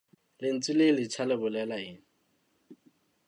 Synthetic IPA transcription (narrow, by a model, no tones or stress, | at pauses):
lɪn̩t͡sʼilelɪt͡ʃʰalɪbʊlɛlaɪːŋ̩